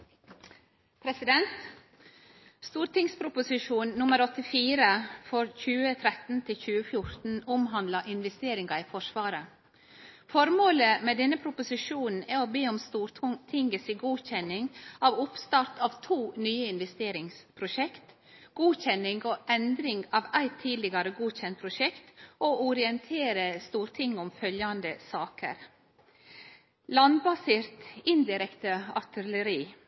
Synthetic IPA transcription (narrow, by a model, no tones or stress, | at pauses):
pʰɾɛsɪd̪ɛnt̪ | st̪uːɾt̪ɪŋspʰɾʊpʊsɪʂuːnːʊməɾɔt̪ɪfiːɾəfɔɾçʉːət̪ʰɾɛt̪n̩t̪ʰɪlçʉːəfjʊɾt̪n̩ʊmɦɑnd̪lɑʔɪnʋɛst̪eːɾɪŋɑɪfɔʂʋɑːɾə | fɔɾmoːləmɛd̪ɛnːəpʰɾʊpʊsɪʂuːnn̩æɾɔbeːɔmst̪uːɾt̪ʰɪŋəsiːɡuːçɛnɪŋɑʋʊpst̪ɑɾt̪ʰɑʋt̪ʰuːnyːəɪnʋɛst̪eːɾɪŋspʰɾʊʃɛkt̪ | ɡ̥uːçɛnɪŋɡoʔɛnd̪ɾɪŋɡɑːʋæɪt̪ʰːiːd̪lɪɡɑɾəɡuːçɛnt̪̚pʰɾʊʃɛkt̪ʔoʊɾɪɛnt̪ʰeːɾəst̪uːɾt̪ʰɪŋːɔmfœljɑnd̪əsɑːkʰə̰ɾ | lɑnbɑsɪɾt̪ɪnd̪ɪɾɛkt̪əɑɾt̪ələɾiː